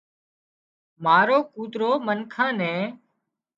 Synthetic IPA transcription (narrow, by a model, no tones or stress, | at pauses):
maːɾoːkuːt̪ɾoːmənkʰãːnɛ̃ː